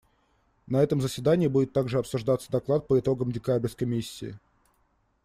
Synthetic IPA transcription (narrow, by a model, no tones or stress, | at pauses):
nɐɛt̪əmzəsʲvʲɪd̪anʲɪːbudʲɪt̪ːaɡʐɨɐpsʊʐd̪at̪sːə̥d̪ɐklˠat̪̚pəɪt̪o̞ɡəmdʲɪkabʲɪrʲskəjmʲisʲːɪ̰ː